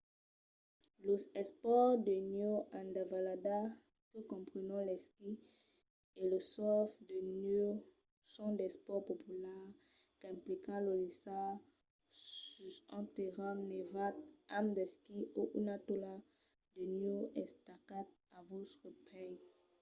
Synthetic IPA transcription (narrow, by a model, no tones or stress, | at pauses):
ləɛspɔʁd̪ənjoãnd̪avalada | kəkɔ̃pχənɑ̃lɛski | eləsɔfd̪əno | sɔ̃d̪ɛspɔʁpopylɛʁ | kɛ̃plikãlolisa | syɛ̰̃t̪eʁãmnevat̪amd̪ɛskioʔunat̪ola | d̪ənjoɛ̃st̪akat̪̚ | avot̪χəpʰɛj